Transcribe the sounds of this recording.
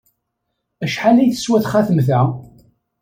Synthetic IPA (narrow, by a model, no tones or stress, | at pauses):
æʃħalæjθə̥swæθχaθəmθæ